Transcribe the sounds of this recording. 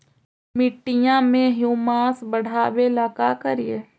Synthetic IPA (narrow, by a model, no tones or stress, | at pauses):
mɪʈːɪjãmẽɦjuːmaːsbəɽ̤aːwelaːkakəɾijeː